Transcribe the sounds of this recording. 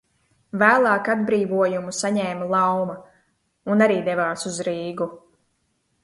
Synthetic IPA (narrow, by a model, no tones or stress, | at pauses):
væːlˠɑːkad̪̚bɾiːvuɔjumusaɲɛːmlˠawma | unaɾiːd̪ɛvaːsuzɾiːɡu